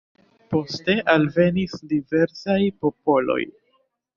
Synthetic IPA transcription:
po̞ste̞ʔalve̞nisdive̞ɾsajpo̞po̞lo̞̰j

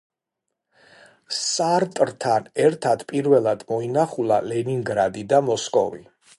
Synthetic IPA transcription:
saɾt̪ʼɾt̪ʰanɛɾt̪ʰad̪pʼiɾvɛlˠad̪̥mɔinaχulˠa̰lɛniŋɡɾad̪id̪amɔskʼɔ̰vḭ

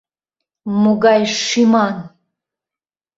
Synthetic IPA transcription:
muɡajʂiman

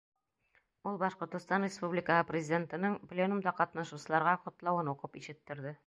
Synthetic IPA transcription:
ulˠbɒʃqŏɾt̪ɤ̆st̪ɑnrʲɪspublʲɪkəhɤprʲɪzʲɪdʲe̞nt̪ɤ̆nɤɴplʲenumd̪ɑqɒt̪nɑʃusɤ̆lˠɑɾʁɑqŏt̪lˠɑwɤnuqɤpiʃɘ̆t̪ːɘ̆ɾd̪ɘ

